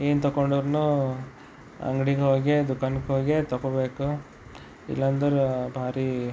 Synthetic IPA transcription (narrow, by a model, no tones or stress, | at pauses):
eːnt̪ɔkoɳɖuʋɾnu | ɐ̰ŋɡɽiɡɦoːɡed̪ukanɡeɦoːɡet̪ɔkobeːku | ḭlːɐɐnd̪ɐɾubʱaːɾi